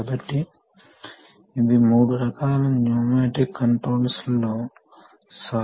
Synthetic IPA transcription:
bɐʈːi | d̪imuːɽuɾɐkaːlɐmnjoːmeːʈikːɐɳʈɾoːlslːoː | sa

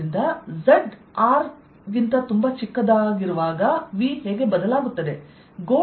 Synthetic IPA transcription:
ind̪ɐzeɖaːɾ | ɡint̪ɐt̪umbɐt͡ʃikːɐd̪aːɡiɾuʋaːɡɐʋiɦeːɡe̞bɐd̪ɐlaːɡut̪ːɐd̪e̞ | ɡoː

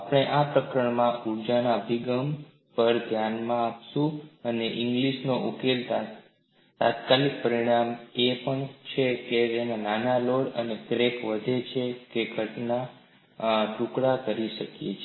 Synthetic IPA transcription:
apɽ̃eʔapɾəkɾəɳmãuɾd͡ʒanaəbʱiɡəm | pəɾd̪ʱjanmãːpʃũəneʔɪ̃ŋɡliʃnoʔukelt̪a | t̪at̪kalik̚pəɾiɽ̃amepəɳt͡ʃʰekeenananaloɽə̰nekɾekʋəd̪ʱet͡ʃʰekeɡʱəʈna | ʈũkɽakəɾiʃəkjet͡ʃʰ

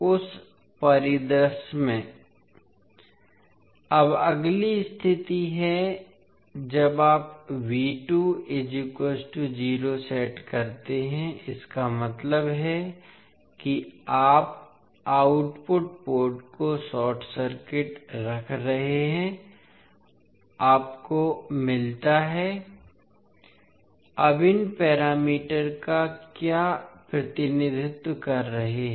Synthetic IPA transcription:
ʊs | pɐɾɪd̪ɾəsmẽ | ɐbɐɡlist̪ʰɪt̪iɦɛ | d͡ʒɐbaːpʋiːʈued͡ʒukəːsʈud͡ʒiːɾosɛːʈkɐɾt̪eɦɛ̃ɪskamɐt̪ləbɦɛ | kiaːp | aːʊʈpʊʈpoːɾʈkosɔːʈʰsəɾkɪʈɾɐkʰɾɐɦeeɦɛ̃ | aːpkomɪlt̪aɦɛ | ɐbɪnpɛːɾaːmiːʈəɾkakjaːpɾɐt̪ɪnɪd̪ʱɪt̪wəkɐɾːɐɦeɦɛ̃

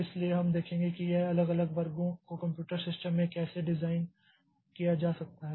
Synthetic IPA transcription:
ɪslieɦɐmd̪eːkʰẽːŋɡekijeɐləɡɐləɡʋɐɾɡõkokɐ̃mpjuːʈəɾsɪsʈəmːẽkɛːseɖɪzaːɪn | kijad͡ʒaːsɐk̚t̪aɦɛː

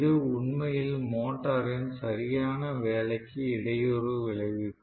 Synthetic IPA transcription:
ðɯʊɳmɐjɪlmoːʈːaːɾɪnsɐɾɪjaːnɐʋeːɭɐɪkːɯɪɽɐjoɾɯʋɪɭɐɣɯ

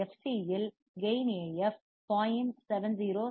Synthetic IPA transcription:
ɛfsiɛl | ɡejneɛf | paːjɪmsɛʋɛnziːɾoː

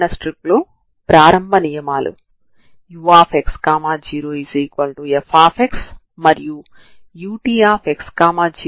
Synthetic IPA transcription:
nɐsʈɾiploː | pɾaːɾɐmbʱɐnijɐmaːlʔṵ | juʋaːpʰekskaːmaːd͡ʒiːɾoːiziːkʋɐlʈuepʰaːpʰeks | mɐɾiju | juːʈiːaːpʰekskaːmaːd͡ʒiː

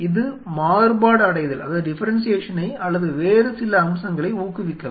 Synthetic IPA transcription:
ɪðɯmaːɾbaːɽɐɽɐjɐðɐlɐðaːðɯɖɪfɐɾɐnsɪjeːʂɐnɐɪɐlːɐðɯʋeːɾɯsɪlɐɐmsɐŋɡɐɭɐɪuːkːɯʋɪkːɐ

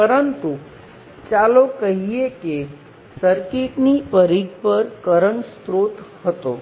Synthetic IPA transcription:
pəɾənt̪u | t͡ʃalokəɦieke | səɾkeʈnipəɾiɡ̚pəɾkəɾəɳst̪ɾoːt̪hət̪o

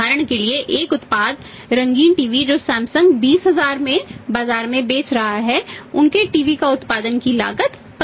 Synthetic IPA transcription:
aːɾəɽ̃kelieʔeːkʊt̪paːd̪ | ɾɐ̃ŋɡiːnʈiːʋid͡ʒoːsɛ̃ːmsə̃ŋɡbiːsɦɐzaːɾmẽbaːzaːɾmẽbeːt͡ʃɾɐɦaɦɛʊnkeʈiːʋikaʊt̪paːd̪ənkila̰ːɡət̪ | p

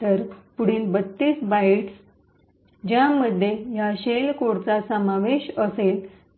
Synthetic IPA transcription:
əɾpuɽ̤iːnbət̪ːiːsbaiʈs | d͡ʑjaməd̪ʱːjeɦjaɕelkoɽt͡sasəmaʋeɕəsel

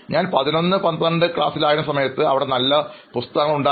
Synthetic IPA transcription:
ɲaːnpɐðino̞nːɨpɐnd̪ɐɳɖɨkɭa̰ːsilaːjɐɾumsɐmɐjɐt̪ːɨɐʋiɽe̞nɐlːɐpust̪ɐɣɐŋːɐɭuɳɖaː

